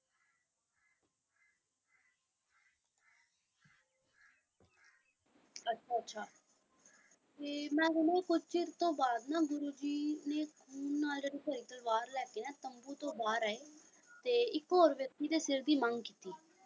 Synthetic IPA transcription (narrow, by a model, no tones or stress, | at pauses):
ətːʃʰaːətːʃʰaː | t̪eːmɛ̃ːɦʊnẽːkʊt͡ʃt͡ʃɪɾt̪õːbaːd̪nãːbʊɾoːd͡ʒiːneːkʰuːnːaːld͡ʒəd̪eːpəɾiːt̪əlʋaːɾlɛːkeːnɛ̃ːt̪əmbuːt̪õːbaːɾaːeː | t̪eːɪkɦoːɾʋjəkt̪iːd̪eːsɪɾd̪iːməŋɡkiːt̪iː